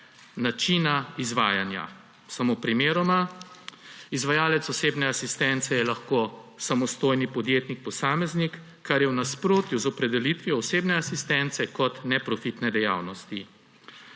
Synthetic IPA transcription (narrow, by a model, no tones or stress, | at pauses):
nat͡ʃinaizʋaːjanja̰ | samopɾimeːɾɔma | izʋajaːlɛt̪sɔseːbnɛasist̪ɛnt̪sɛjɛlaxkosamɔst̪oːjnipɔd̪jeːt̪nik̚pɔsaːmɛznikː | aɾjɛwnaspɾoːt̪juzɔpɾɛd̪ɛlit̪ʋijɔːseːbnɛasist̪ɛnt̪sɛkɔt̪nɛpɾɔfit̪nɛd̪ɛja̰ːwnɔst̪i